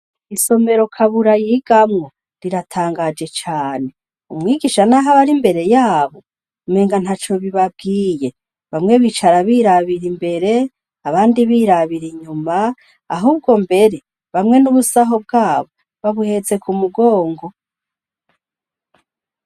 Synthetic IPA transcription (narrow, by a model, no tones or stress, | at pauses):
iso̞me̞ɾo̞kʰaβuɾajiɡ̥amŋo̞ | ɾiɾatʰaːŋɡad͡ʒe̞t͡ʃaːne̞ | umŋiːɡiʃanaɦaβaɾimbe̞ɾe̞jaːβo̞ | me̞ːŋɡan̥hat͡ʃo̞βiβab̚ɡiːje̞ | βamŋe̞βit͡ʃaɾaβiːɾaβiɾimbe̞ɾe̞ | aβaːndiβiːɾaβiɾiɲuma̰ː | ɦuːb̚ɡo̞mbe̞ɾe̞ | βamŋe̞nuβusaɦob̚ɡaːβo̞ | βaβuhe̞ze̞kʰumuɡo̞ːŋɡo̞